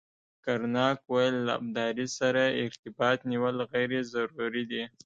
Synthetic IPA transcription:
kaɾnɑkwajlːa̰b̚d̪ɑɾisaɾaɪɾt̪ɪbɑt̪niwəlɣajɾezaɾuɾid̪i

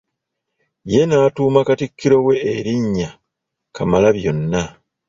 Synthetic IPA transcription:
je̞naːtuːmakatikːiɾo̞we̞ːɾiɲːa | kamalaβjo̞nːa

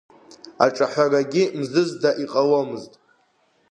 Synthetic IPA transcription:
a̰ʈ͡ʂʼaħʷaraɡʲɪmzɨzdaʔiqʼawomɨztʼ

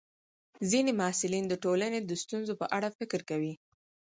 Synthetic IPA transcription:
zinemaːsɪlind̪əʈolaned̪əst̪unzopə̰ʔaɽafɪkɾkawi

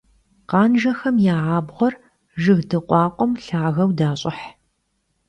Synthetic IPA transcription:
qɑːnʒɐxɐmjaːʕaːbʁʷɔr | ʒɨɣdɨqʷʼɑːqʷʼɔmɬaːɣɐwdaːɕʼɪħ

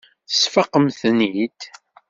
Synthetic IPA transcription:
θəsfɑqəmθnid̪

